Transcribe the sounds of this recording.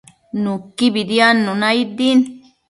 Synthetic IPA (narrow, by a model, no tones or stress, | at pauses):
nũkibid̪janːũnãid̪in